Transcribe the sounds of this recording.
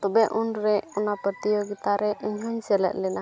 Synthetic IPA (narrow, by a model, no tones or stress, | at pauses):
t̪ɔbɛʔunɾɛɔnapət̪ijoɡit̪aɾɛʔəɲɦuɲsɛlɛ̰t̪̚lɛna